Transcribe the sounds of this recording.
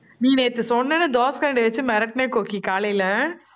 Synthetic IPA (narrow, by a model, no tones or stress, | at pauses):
nĩːneːt̪ːɯsɔnːɛnɯd̪oːskɐɳɖɯɐt͡ʃːɯmɛɾɐʈneːkoːkikaːlɐjɪlɐ